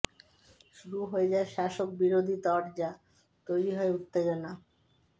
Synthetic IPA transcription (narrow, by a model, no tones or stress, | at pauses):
ʃuɾuɦoed͡ʑaeʃaʃok̚biɾod̪ʱit̪ɔɾd͡ʑa | t̪ojɾiɦɔeut̪ːed͡ʑona